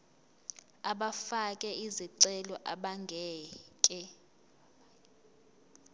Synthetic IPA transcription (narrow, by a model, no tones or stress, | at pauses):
aɓafakʼɛiziǀɛlɔʔaɓaŋɡʱɛːkʼɛ